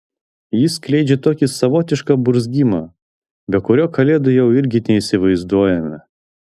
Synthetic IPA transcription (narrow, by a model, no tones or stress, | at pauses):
jɪsʲklʲɛɪd͡ʒʲɛt̪oːkʲɪsɐʋoːt̪ʲɪʃkɐbʊɾzʲɡʲiːmɐ | bʲɛkʊɾʲoːkɐlʲeːd̪ʊjɛʊɪɾʲɡʲɪnʲɛisʲɪʋɐɪzd̪uɔjɛmʲɐ